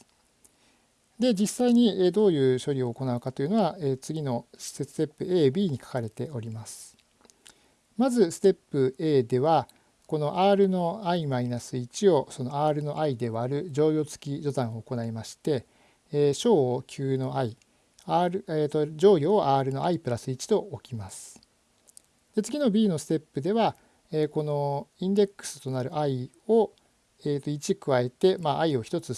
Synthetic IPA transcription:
d̪e̞d͡ʑisaiɲ̟ied̪o̞ːjɯ̟ːɕo̞ɾʲio̞ːko̞naɯ̟kat̪o̞jiɯ̟no̞ɡaeːt͡sɨɡʲino̞ɕi̥set͡sɨ̥t̪e̞pːɯ̟e̞ːbʲiːɲ̟ikḁkaɾe̞t̪e̞o̞ɾʲimasɨ̥ | mazɨsɨ̥t̪e̞pːɯ̟e̞ːd̪e̞βa | ko̞no̞ʔaːɾɯ̟no̞aimainasɨit͡ɕio̞so̞no̞aːɾɯ̟no̞ʔaid̪e̞βaːɾɯ̟d͡ʑo̞ːjʲo̞ːt͡sɨ̥kʲiʑo̞t̪ãɰ̃oːko̞naimaɕi̥t̪e̞ː | ɕo̞ːokʲʰɨːno̞ai | aɾɯet̪od͡ʑo̞ːjʲo̞ːʔaːɾɯ̟no̞ʔaipɯ̟ɾasɨit͡ɕi̥t̪o̞okʲimasɨ̥ | d̪̥e̞t͡sɨɡʲino̞bʲiːno̞sɨ̥t̪e̞pːɯ̟d̪e̞βa | eːko̞no̞ĩnd̪e̞kːɯ̥sɨ̥t̪o̞naɾɯ̟ʔai | o̞ | eːt̪o̞it͡ɕikɯ̟βae̞t̪e̞maʔaio̞çi̥t̪o̞t͡sɨ

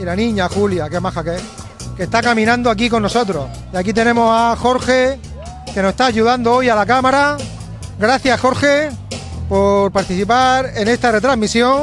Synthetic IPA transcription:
ilanĩɲaxuljakemaxake | ke̞st̪akamĩnãnd̪oak̬iko̞nːo̞so̞t̪ɾo̞̰ | iakit̪e̞nẽ̞mo̞saxo̞ɾxe̞ | ke̞noest̪aːʝuðand̪oojalak̬amaɾa | ɡɾaθjaxo̞ɾxe̞po̞ɾpaɾt̪iθipaɾe̞ne̞st̪are̞t̪ɾaɦmisjo̞ŋ

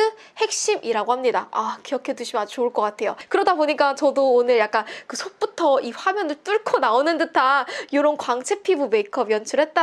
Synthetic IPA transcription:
ɯ | he̞k̚ɕ͈imʔiɾaɡohamɲida̰akijʌkʰe̞duɕʰimat͡ɕouɭk͈ʌk͈atʰe̞jokɯɾʌdaboɲik͈at͡ɕʌdoːnɯɭjak͈ankɯsʰok̚p͈utʰʌiɸwamjʌnɯɭt͈uɭkʰonaonɯndɯtʰajoɾonkwaŋt͡ɕʰe̞pʰibume̞ikʰʌbjʌnt͡ɕʰɯɾɦe̞t̚t͈a

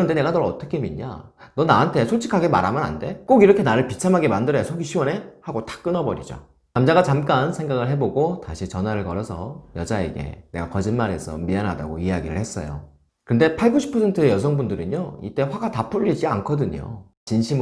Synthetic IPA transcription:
kɯʌnde̞ne̞ɡanʌɭʌt͈ʌkʰe̞miɲa̰nʌnaɦantʰe̞sʰot͡ɕʰi̥kʰaɡe̞ma̰ɾamjʌna̰nde̞k͈oɡiɾʌkʰe̞naɾɯɭpit͡ɕʰamɦaɡemandɯɾʌjasʰoɡiɕʰiwʌne̞haɡotḁk͈ɯnʌbʌɾid͡ʑo̰ | namd͡ʑaɣat͡ɕamk͈ansʰe̞ŋɡaɡɯɭɦe̞boɡotaɕʰit͡ɕʌnɦwaɾɯɭkʌɾʌsʰʌjʌd͡ʑaḛɡe̞̰ne̞ɡakʌd͡ʑinmaɾe̞sʰʌ̰mianɦada̰ɡoiaɡiɾɯ̰ɭhe̞s͈ʌ̰jo̰ | kɯnde̞pʰaɭɡuɕʰi̥pʰʌsʰe̞ntʰɯe̞jʌs̬ʰʌŋbundɯɾɯnjoḭt͈e̞ɸwaɡatap͈uʎːid͡ʑia̰nkʰʌdɯɲo̰ | t͡ɕinɕʰim

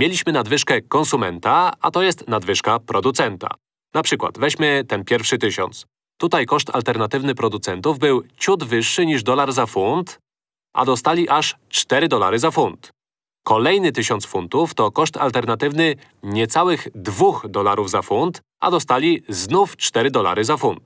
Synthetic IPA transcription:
mʲjelʲiɕmɘnad̪vɘʂkɛkɔnsumɛnt̪aa̰t̪ɔjɛst̪nad̪vɘʂkapɾɔd̪ut̪sɛnt̪a̰ | napʂɘkwa̰t̪vɛɕmɘt̪ɛnpʲjɛɾfʂɘt̪ɘɕɔ̰nt̪s | t̪ut̪ajkɔʂt̪a̰lt̪ɛɾnat̪ɘvnɘpɾɔd̪ut̪sɛnt̪uvbɘwt͡ɕud̪vɘʂːɘɲiʐd̪ɔlaɾzafunt̪ | ʔa̰d̪ɔst̪alʲiʔaʂt͡ʂt̪ɛɾɘd̪ɔla̰ɾɘzafunt̪ | kɔlɛjnɘt̪ɘɕɔntsfunt̪uft̪ɔkɔʂt̪a̰lt̪ɛɾnat̪ɘvnɘ | ɲɛt̪sawɘɣd̪vuxd̪ɔlaɾuvzafunt̪ | a̰d̪ɔst̪alʲiznuft͡ʂt̪ɛɾɘd̪ɔla̰ɾɘzafunt̪

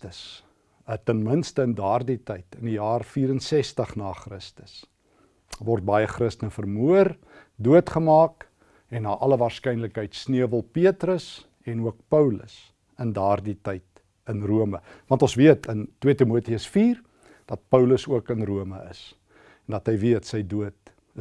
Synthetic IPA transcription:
təs | ətənmənstəəndɑːrditəjtənijɑːrfiːɾənsɛstəχnɑːχrəstəs | vɔrt̚bɐjəχrəstənəfərmuər | duətχəmɑːk | ɛnːɑːʔɐləvɑːrskɛjnləkɦəjtsniəvəlˠpiətrəs | ɛnuək̚pəwlə̰s | əndɑːrditəjt | ənruəməvɑntɔ̃nsviətəntwiətimuətiəsfiːr | d̥ɐt̚pəwləsuəkənruəməə̰s | ndɐtɦəjviətsəjduət̚

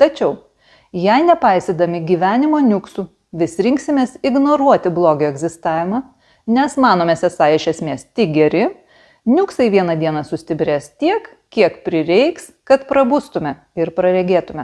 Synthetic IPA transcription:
t̪ɐt͡ʃʲɛʊ | jɛɪnʲɛpɐɪsʲed̪ɐmʲɪɡʲiːʋʲæːnʲɪmoːnʲʊksu | ʋʲɪsʲɾʲɪŋksʲɪmʲeːsɪɡnoːɾuɔt̪ʲɪblˠoːɡʲoːɛɡzʲɪst̪ɑːʋʲɪmɑ | nʲɛsmɑːnoːmʲɛsʲɛsɑːɪʃʲɛsʲmʲeːst̪ʲɪk̚ɡʲɛɾʲɪ | nʲʊksɐɪʋʲiɛnɐd̪ʲiɛnɐsʊsʲt̪ʲɪbʲɾʲeːst̪ʲiɛk | kʲiɛkpʲɾʲɪɾʲɛɪkskɐt̪pɾɐbʊst̪ʊmʲɛ | ɪɾpɾɐɾʲɛɡʲeːt̪ʊmʲɛ

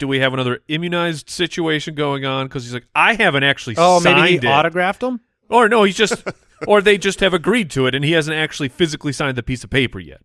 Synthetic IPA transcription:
d̥ɨwiɨvənʌðə˞ɪ̃mjɨnaɪzd̥sɪt͡ʃueɪʃɨ̃nɡoʊɪ̃ŋə̃nkʰʌz̥izlaɪkaɪɦævɨ̃ntæk̚t͡ʃʉl̩ˠioʊmeɪ̃biɪ̃ndɔɾɨɡɹæftə̃m | ʔə˞noʊhizd͡ʒʌst | ə˞ðeɪd͡ʒʌst̚hɨvɨɡɹid̚tʰɨɨɾɨ̃nihæzɨ̃n̩tæk̚t͡ʃʉl̩ˠifɪzɨklˠisãɪ̃nðɨpisʌv̥pʰeɪpə̰˞jɛ̰t̚

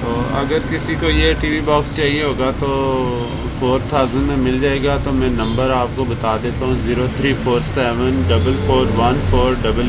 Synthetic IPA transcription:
t̪oːɐ̰ɡəɾkɪsikojeʈiːʋibɔːkst͡ʃaːɦieɦoːɡat̪o | foːɾt̪ʰaːzənmẽmɪld͡ʒaːeːɡat̪omɛ̃nɐ̃mbəɾaːp̚kobɐt̪aːd̪eːt̪aɦũziːɾot̪ʰɾiːfʰoːɾsɛːʋənɖɐbəlfoːɾʋɐnfʰoːɾɖɐbəl

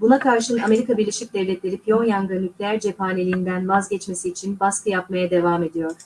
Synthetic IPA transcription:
bunakʰaɾʃɯname̞ɾikabiɾlʲe̞ʃic̚d̪ɛvlʲɛt̪lʲe̞ɾipʰjo̞njanɡɯnycʰʲlʲeæɾd͡ʒepaːnʲelʲiːnd̪ænvazɟɛt͡ʃme̞siːt͡ʃʰinbaskʰɯjap̚majad̪e̞vaːme̞d̪ijo̞ɾ̥

